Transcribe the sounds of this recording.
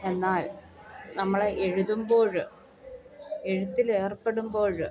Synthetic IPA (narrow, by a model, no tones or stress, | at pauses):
e̞nːaːl | nɐmːɐɭeʔeɻuðumbo̞ːɻɨ | eɻut̪ːile̞ːrpːe̞ɽumbo̞ːɻ